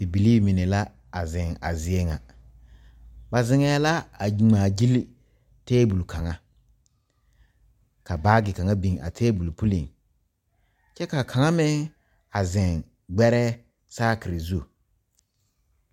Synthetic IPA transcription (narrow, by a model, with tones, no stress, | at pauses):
ɪ˨bi˨li˦˨mɪ˨nɛ˨la˦ | a˨zɪ˨ŋa̰˨zɪ˨ɛ˦ŋa̰˨ | ba˨zɪ˨ŋɛː˨˦la˦a˨ŋ͡maː˨d͡ʒi˦l | tɛː˦bu˨lkʰa˨ŋa˦ | ka˨baː˦ɡɪ˨ka˨ŋa˦bi˨ŋa̰˨tʰɛː˦bu˨lpu˦li˨ŋ | t͡ʃɛ˦ka˨kʰa˨ŋa˦mɪ˦ŋ | a˨zɪ˨ŋ | ɡ͡bɛ˦ɾɛ˦ | saː˦kɪ˨ɾɪ˨zu˦˨